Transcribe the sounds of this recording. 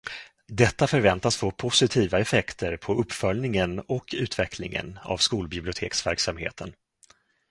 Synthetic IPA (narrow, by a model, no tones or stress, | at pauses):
d̪ɛt̪ːafœɾvɛnt̪asfoːpʰʊsɪt̪ʰiːvaɛfɛkt̪əɾpʰɔʔɵpːfœlnɪŋənɔkʰːʉ̟ːt̪vɛkʰlɪ̰ŋə̰na̰vskuːlbɪblɪʊt̪ʰḛːksvæɾksamhḛːt̪ʰən